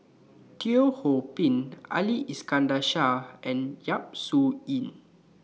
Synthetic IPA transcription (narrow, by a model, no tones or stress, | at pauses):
tʰiohopĩna̰liʔiskãndaʃaɛ̃njap̚suĩn